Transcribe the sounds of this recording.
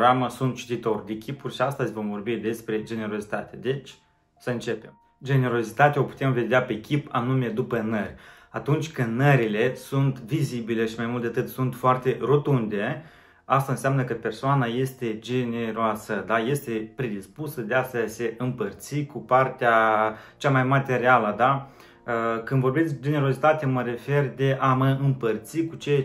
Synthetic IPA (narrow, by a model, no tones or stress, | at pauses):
aməsunt̪̚t͡ʃi̥t̪it̪o̞rʲd̪ekʲipurʲʃiast̪əzʲvo̞mvo̞rbid̪e̞spɾe̞d͡ʒe̞ne̞ɾo̞zit̪a̰t̪ed̪e̞t͡ʃʲ | səɨnt͡ʃe̞pe̞m | d͡ʒe̞ne̞ɾo̞zit̪at̪ao̞pu̥t̪e̞mve̞d̪eape̞kʲipa̰nume̞d̪upənərʲ | at̪unt͡ʃʲkɨnnəɾile̞sunt̪vizibile̞ʃimajmult̪eat̪ɨt̪sunt̪foart̪e̞ro̞t̪und̪e̞ | ast̪aɨnsjamnəkəpe̞rsoanaje̞st̪e̞d͡ʒe̞ne̞ɾoasəd̪aje̞st̪e̞pɾed̪ispusəd̪easəse̞ʔɨmpərt̪sikupart̪eat͡ʃamajmat̪e̞ɾialəd̪a | əkɨnd̪vo̞rbet̪sʲd͡ʒe̞ne̞ɾo̞zit̪at̪eaməɾe̞fe̞rd̪e̞ʔaməɨmpərt̪sikut͡ʃe